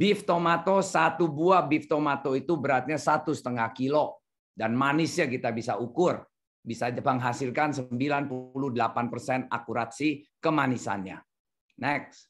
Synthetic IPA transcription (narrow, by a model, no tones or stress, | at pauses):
b̥ift̪omat̪osat̪ubuabift̪omat̪oit̪ubəɾat̪̚ɲasat̪usə̥t̪əŋahkilo | danmanɪsɲakit̪abisaukʊr | bisad͡ʒbaŋɦasilkansəmbilanpuluhdəlapanpərsɛna̰kuɾat̪̚sihkəmanisa̰nɲa̰ | nɛks